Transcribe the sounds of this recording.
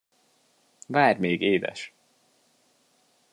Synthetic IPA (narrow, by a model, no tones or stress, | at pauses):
vaːrmeːɡeːd̪ɛ̰ʃ